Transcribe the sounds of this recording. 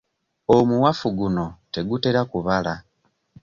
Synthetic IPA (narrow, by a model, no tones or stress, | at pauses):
omuwafuɡuno̞te̞ɡute̞ɾakuβala